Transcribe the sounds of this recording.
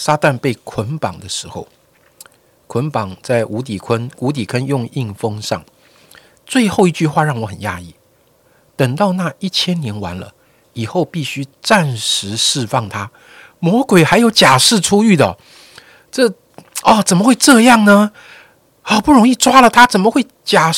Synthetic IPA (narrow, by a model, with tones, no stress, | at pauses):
sa˥t̪a˥˧npe˥˩ɪkʰwə˧˥npɑ̰˨˩ŋd̪ə˦ʂɻ̩˧˥˦xo˥˧˩ʊ | kʰwə˧˥npɑ˨˩ŋt͡sa˥˩ɪu˧˥t̪i˨˩kʰə˥nu˧˥t̪̬i˨˩kʰə˦njʊ˥˧ŋi˥˩ŋfɤ˥ŋʂɑ˥˩ŋ | t͡swe˥˧ɪxo˥˧ʊi˥˧t͡ɕy˥˧xwa˥˧ɻɑ˥˩ŋwɔ˧˦˥xə˨˩nja˥i˥˩ | t̪ə˨˩ŋt̪ɑ˥˧ʊna˥˧i˥˩t͡ɕʰjɛ˥nnjɛ˧˥nwa˧˦nlə̰˧ | i˨˩xo˥˧ʊpi˥˩ɕy˥ʈ͡ʂa˥˩nʂɻ̩˧˥˦ʂɻ̩˥˧fɑ˥˩ŋt̪ʰa˥ | mwɔ˧˥kwe˨˩ɪxa˧˥ɪjo˧˥ʊt͡ɕja˨˩ʂɻ̩˥˩ʈ͡ʂʰu˥y˥˩d̪ə˩ | ʈ͡ʂɤ˥˩ | ɔ˥˩t͡sə˨˩nmə˦xwe˥˧ɪʈ͡ʂɤ˥˧jɑ˥˩ŋnə˨ | ɔ˥˧˩pu˥˩ɻʊ˧˥ŋi˥˧ʈ͡ʂwa˥lə˨t̪ʰa˥t͡sə˨˩nmə˦xwe˥˩ɪt͡ɕja˨˩